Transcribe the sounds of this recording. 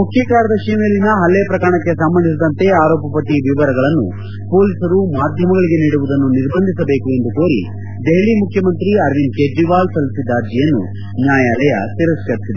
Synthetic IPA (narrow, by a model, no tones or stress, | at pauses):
mukʰjɐkaːɾɐd̪ɐʃimelːinɐɦɐlːeːpɾɐkɐɾɳɐkːe̞sɐmbɐnd̪is̬id̪ɐnt̪e̞aːɾɔːpɐpɐʈːiʋiʋɐɾɐɡɐɭɐnːṵ | po̞ːlisɐɾumaːd̪ʱjɐmɐɡɐɭiɡe̞niːɽuʋud̪ɐnːuniɾbɐnd̪ʱisɐbe̞ːkue̞nd̪ukoːɾḭ | d̪eɦɭimukʰjɐmɐnt̪ɾiɐɾʋinkeːɖːiʋaːlsɐlisid̪aːɾd̪ijɐnːṵ | njaːjaːlɐjɐ̰t̪iɾɐskɐɾisid̪e